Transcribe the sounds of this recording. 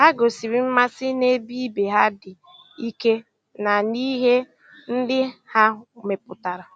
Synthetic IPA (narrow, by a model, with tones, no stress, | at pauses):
ha˦ɡo˨si˨ɾi˦m̩˦ma˦sɪ˦ne˦bi˦be˨ɦa˦dɪ˨ | i˦ke˦ | na˨ni˦ɦe˦ | n̩˦dɪ˦ha˦˨me˨pʊ˨ta˨ɾa˨